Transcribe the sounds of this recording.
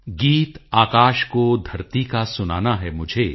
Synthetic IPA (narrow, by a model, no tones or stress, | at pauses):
ɡiːt̪aːkaːʃkod̪ʱɐɾt̪ikasʊna̰ːnaɦɛmʊd͡ʒʱe